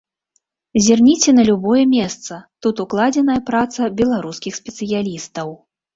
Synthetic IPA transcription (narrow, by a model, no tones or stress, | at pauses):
zʲirnʲit͡sʲɛnɐlʲubɔjɛmʲɛst̪sɐt̪ut̪uklˠad͡zʲɛnɐjɐpɾat̪sɐbʲɛlˠaɾuskʲixsʲpʲɛt̪sɨjalʲist̪ɐw